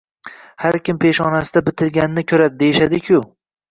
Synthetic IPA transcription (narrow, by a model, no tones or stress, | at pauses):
haɾkʲɪmpʰeʃɒnasɪd̪abɪt̪ʰɪlɡʲanɪnɪkʲʰɵɾad̪ɪd̪ejʃad̪ɪkʲʰʊ